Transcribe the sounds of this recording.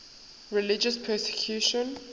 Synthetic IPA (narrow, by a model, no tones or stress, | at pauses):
ɹilid͡ʒəspʰɛsɛ̥kʰjuʃɔ̃n